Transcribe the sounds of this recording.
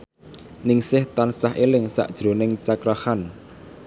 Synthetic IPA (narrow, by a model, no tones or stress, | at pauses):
nɪŋsɪht̪ansaɦʔelɪŋsa̰ʔd̥ʒ̥ɾo̤nɪŋt͡ʃakɾahan